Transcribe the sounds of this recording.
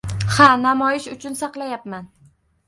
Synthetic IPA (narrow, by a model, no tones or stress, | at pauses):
hanamɒjɪʃʊt͡ʃʰʊnsɑqlˠajapman